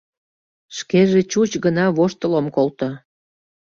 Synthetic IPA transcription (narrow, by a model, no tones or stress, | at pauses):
ʃkeʒet͡ɕut͡ɕɣənɑβoʃt̪əlomkolt̪o